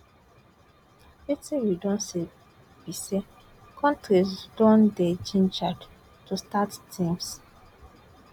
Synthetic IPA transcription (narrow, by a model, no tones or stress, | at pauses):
etĩwidɔ̃nse | b̥ise | kʰɔ̃ntɾisdɔ̃nded͡ʒĩnd͡ʒad | tustattʰĩms